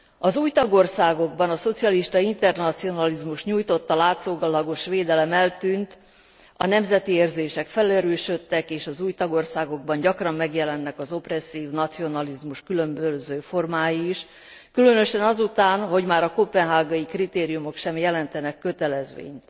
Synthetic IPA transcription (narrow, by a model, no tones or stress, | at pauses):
ɒzuːjt̪ɒɡo̞rsaːɡo̞ɡbɒnɒso̞t̪sijɒliʃt̪ɒint̪ɛrnɒt̪sio̞nɒlizmuʃɲuːjt̪o̞t̪ːɒlaːt̪soːɡɒlɒɡo̞ʃʋeːd̪ɛlɛmɛlt̪yːnt̪ | ɒ̰nɛmzɛt̪ieːrzeːʃɛkfɛlɛɾøːʃøt̪ːɛkeːʃɒzuːjt̪ɒɡo̞rsaːɡo̞ɡ̚bɒɲɟɒkrɒmːɛɡjɛlɛnːɛkɒzo̞prɛsːiːvnɒt̪sio̞nɒlizmuʃkylø̞mbøzøːfo̞rmaːjiːʃ | kylø̞nø̞ʃɛnɒzut̪aːnɦo̞ɟmaːɾɒkopɛnɦaːɡɒikrit̪eːɾijumo̞kʃɛmjɛlɛnt̪ɛnɛkːø̞t̪ɛlɛzʋḛːɲt̪